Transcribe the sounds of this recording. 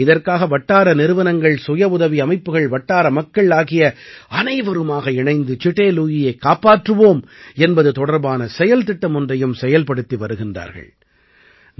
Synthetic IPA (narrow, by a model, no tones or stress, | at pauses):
ɪðɐrkaːɣɐʋɐʈːaːɾɐnɪɾɯʋɐnɐŋɡɐɭsʊjɐʊðɐʋiɐmɐɪpːɯɣɐɭʋɐʈːaːɾɐmɐkːɐɭaːɣɪjɐɐnɐɪʋɐɾɯmaːɣɐɪɳɐɪnd̪ɯt͡ʃɪʈːeːluːjɪjɐɪkːaːpaːʈrɯʋoːmɛnbɐðɯt̪ɔɽɐɾbaːnɐsɛjɐlt̪ɪʈːɐmɔndrɐjɯmsɛjɐlpɐɽɯt̪ːiʋɐɾɯɣɪndra̰ːɾɣɐ̰ɭ | n